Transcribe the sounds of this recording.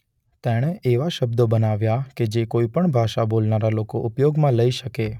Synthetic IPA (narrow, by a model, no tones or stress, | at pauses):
t̪ɛɽ̃eʔʔeʋaʃəb̚d̪obənaʋjaked͡ʒekoipəɳbʱaʃabolnaɾalokoʔupjoɡmãləiʃəke